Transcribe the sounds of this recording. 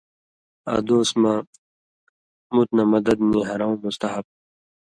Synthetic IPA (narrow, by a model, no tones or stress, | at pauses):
ɐ̰d̪oːsma | mut̪namɐd̪ɐd̪niɦɐɾaũmust̪ɐɦɐb̚